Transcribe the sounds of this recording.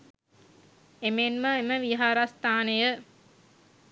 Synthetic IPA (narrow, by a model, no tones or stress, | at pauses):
emenməeməʋiɦaːɾast̪aːnəjə